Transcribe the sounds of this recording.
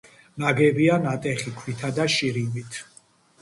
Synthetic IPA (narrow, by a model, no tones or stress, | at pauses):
naɡɛbianat̪ʼɛχikʰwit̪ʰad̪aʃiɾimit̪ʰ